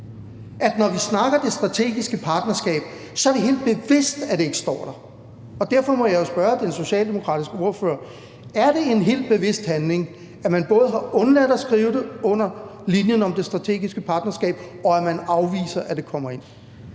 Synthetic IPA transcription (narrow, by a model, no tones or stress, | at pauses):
ʔæd̥nɒʋisnɑ̈ɡ̥ɐd̥e̝sd̥ʁɑ̈t͡sʰe̝̰ːɡ̥isɡ̥əpʰɑ̈ːd̥nɐsɡ̥ɛ̰ːb̥̚ | sɒ̽æɐɾe̝ɦe̝̰ːld̥̚b̥e̝ʋe̝sd̥æd̥e̝e̝ɡ̥sd̥ɒ̰ːd̥ɑ | ɒ̽d̥æɐfɒ̽mɒ̽jɑjosb̥ɶɐd̥enso̝ɕɛ̰ːld̥e̝mo̝kʰʁɑ̰̈ːd̥isɡ̥əo̝ɐfø̰ːɐ | æɐɾ̥e̝e̝nɦe̝̰ːld̥̚b̥e̝ʋe̝sd̥hænle̝ŋ | æmænb̥ɔ̽ːð̞̩ˠɦɑ̈ɔ̽nlæd̥ɒsɡ̥ʁiːʊd̥eɔ̽n̰ɐlinjənɒ̽md̥e̝sd̥ʁɑ̈t͡sʰe̝̰ːɡ̥isɡ̥əpʰɑ̈ːd̥nɐsɡ̥ɛ̰ːb̥ɒ̽æmænɑ̈ʊʋḭːsɐʔæd̥e̝kʰɒ̽m̰ɐe̝n̰